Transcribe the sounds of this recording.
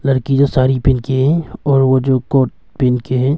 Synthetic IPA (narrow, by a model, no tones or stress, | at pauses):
lɐɾkid͡ʒosaːɾipɪnkeɦɛ̃ɔːɾʋod͡ʒoːkoːʈ̚ | pɪnkeɦɛ̃ː